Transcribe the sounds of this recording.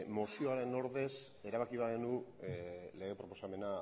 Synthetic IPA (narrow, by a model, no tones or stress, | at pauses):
mosioaɾe̞no̞ɾðe̞s | e̞ɾaβakiβaɣenu | le̞ɣ̞e̞pɾo̞po̞same̞na